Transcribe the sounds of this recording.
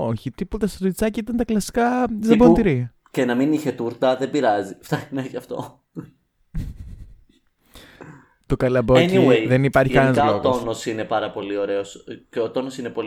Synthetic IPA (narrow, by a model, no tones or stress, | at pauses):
o̞çit̪iput̪ɐstɾoit͡sɐcɐit̪ɐnt̪ɐklɐsi̥kɐzɐboniɾi | cenɐminiçe̞t̪uɾt̪ɐðebiɾɐzift̪ɐçinɐçɐft̪o̞̰ | t̪okɐlɐboecniweðenipɐɾçiiɐnɐzloɣt̪onosine̞pɐɾɐpo̞lio̞ɾeosceot̪o̞nosinepo̞l